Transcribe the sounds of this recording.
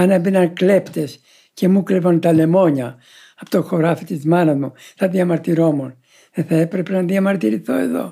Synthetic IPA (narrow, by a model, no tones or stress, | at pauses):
ɐnɐbinɐnkle̞pt̪e̞s | ce̞muklevont̪ɐle̞mo̞ɲɐ | ɐpo̥t̪oxoɾɐfit̪izmɐnɐzmuθɐðiɐmɐɾt̪iɾo̞mun | ðeθɐepɾepenɐðiɐmɐɾt̪iɾiθo̞e̞̰ðo̞̰